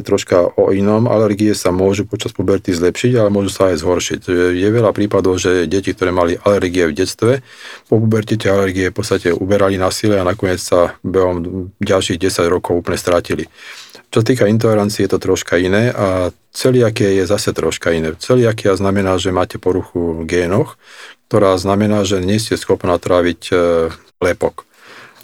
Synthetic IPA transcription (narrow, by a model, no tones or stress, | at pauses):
t̪ɾɔʃkaʔɔinɔma̰lɛɾɡiɛsamʊɔʒupɔt͡ʃaspɔbɛɾt̪izlɛpʃiɟalɛmʊɔʒusaːjzɦɔɾʃicʒɛjɛʋɛʎapɾiːpad̪ɔʊʒɛɟɛcik̚t̪ɔɾɛːmaliʔalɛɾɡiɛvɟɛt͡st̪ʋɛpɔp̬ubɛɾc̪it̪ɛalɛɾɡiɛfpɔt͡st̪acɛʔubɛɾalinasilɛanakɔɲɪɛt͡ssabɛɦɔmɟalʃiɣɟɛsaɟɾɔkɔʊuːpl̩ɲɛst̪ɾacilit͡ʃɔsat̪iːkaint̪̬ɔlɛɾant͡siːɛjɛt̪ɔt̪ɾɔʃkainɛːʔa | t͡sɛliakɛajɛzasɛt̪ɾɔʃkainɛːt͡sɛliakiaznamɛnaːʒɛmaːcɛpɔɾuxuɡɛːnɔxkt̪ɔɾaːznamɛnaːʒɛɲɛscɛsxɔpnaːt̪ɾaʋic | lɛpɔk